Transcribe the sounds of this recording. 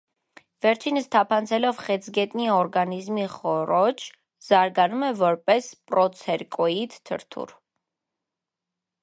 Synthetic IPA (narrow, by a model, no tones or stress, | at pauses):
vɛɾt͡ʃʰinəst̪ʰapʰant͡sʰɛlɔvχɛt͡sʰɡɛt̪ʼniɔɾɡanizmiχɔɾɔt͡ʃʰ | zɑɾɡanumɛvɔɾpʼɛspʼɾɔt͡sʰɛɾkʼɔid̪t̪ʰə̰ɾt̪ʰṵɾ